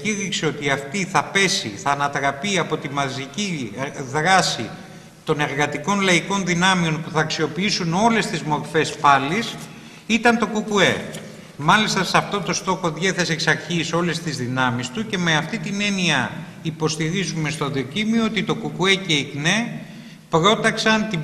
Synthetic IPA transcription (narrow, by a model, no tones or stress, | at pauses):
ciɾikseo̞t̪iɐft̪iθɐpe̞siθɐːnɐt̪ɾɐpiɐpo̞t̪imɐziciðɾɐsḭ | t̪o̞ne̞ɾɣɐt̪iko̞nlɐiko̞nðinɐmio̞npuθɐːksio̞piisuno̞le̞st̪izmo̞ɾfe̞spɐlis | it̪ɐnt̪o̞kukue̞ | mɐlist̪ɐsɐft̪o̞t̪o̞st̪o̞xo̞ðʝeθeseeksɐɾçiso̞le̞st̪izðinɐmist̪uce̞me̞ɐft̪it̪ine̞niɐ | ipo̞st̪iɾizume̞st̪oðio̞cimioot̪it̪o̞kukue̞ce̞ikne̞ | pɾo̞t̪ɐksɐnt̪i